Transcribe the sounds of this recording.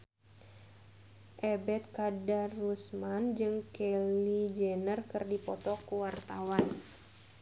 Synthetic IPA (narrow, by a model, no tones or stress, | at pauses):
ʔɛbɛt̪̚kadarːusmand͡ʒɨŋkelid͡ʒɛnərkɨrdipɔt̪ɔkuwart̪awan